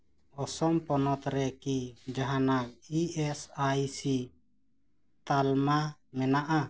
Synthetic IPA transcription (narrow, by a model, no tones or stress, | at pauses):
ɔsɔmpɔnɔt̪ɾɛkid͡ʒaɦanakiɛsajsi | t̪almamɛnaʔa